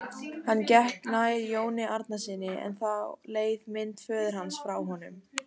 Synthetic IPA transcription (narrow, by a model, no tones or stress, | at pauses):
hanːcɛht̪naːjɾjoːwnɪʔaɾt̪̚nasiːnɪɛ̰nθaleːjðmɪnt̪fœːðʏɾ̥hɦansfɾawɦɔnʏm